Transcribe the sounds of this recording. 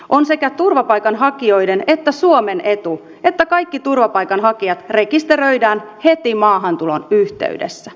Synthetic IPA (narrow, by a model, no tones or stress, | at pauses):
o̞nse̞kæt̪urʋɑpɑjkɑnɦɑkio̞jde̞ne̞t̪ːæsuome̞ne̞t̪u | e̞t̪ːækɑjkːit̪urʋɑpɑjkɑnɦɑkiɑt̪re̞kist̪e̞ɾø̞jdæːnhe̞t̪imɑːɦɑnt̪ulonyht̪ḛydḛsːæ